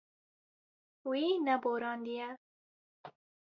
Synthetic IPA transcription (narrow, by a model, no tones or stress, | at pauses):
winaboɾɑnd̪ija